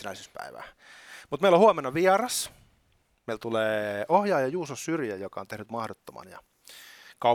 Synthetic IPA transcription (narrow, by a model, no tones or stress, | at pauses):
næisyspæ̰iʋæ̰ː | mut̪meilohuɑmenːɑʋiɑrɑs | meilt̪uleːohjɑːjɑjuːsossyrjæjokɑont̪ehnyt̪mɑhdot̪ːomɑ̰njɑ̰ | kɑu